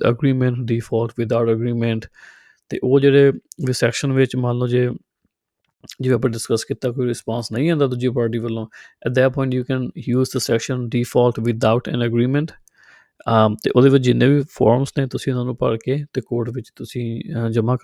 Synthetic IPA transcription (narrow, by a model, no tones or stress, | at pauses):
ə̰ɡɾiːmɛ̃ɳʈɖiːfʰaːlʈʋɪd̪aʊʈəɡɾiːmɛ̃ɳʈ | t̪ḛːʔoːd͡ʒeːɽeːʋisɛːkʃənʋɪt͡ʃmãːnlːõːd͡ʒeː | d͡ʒɪʋeːəpnẽɖɪskəskiːt̪aːkoːiɾɪspãːnsnəĩːɦãːnd̪aːd̪ʊd͡ʒiːpaːɾʈ̬iːʋəlːõːɛʈ̚d̪ɛːʈpɔ̃ːɪ̃ɳʈjuːkɛ̃ːnjuːzd̪əsɛːkʃə̃nɖiːfʰaːlʈʋɪd̪aʊʈɛ̰̃ːnəɡɾiːmɛ̃ɳʈ | t̪ḛːʔoːd̪eːʋɪt͡ʃd͡ʒɪnːẽːʋiːpʰa̰ːɾmsneːt̪ʊsĩːʊnãːnũːpə̰ɽkeːt̪eːkoːɾʈʋɪt͡ʃt̪ʊsĩːd͡ʒəmãːk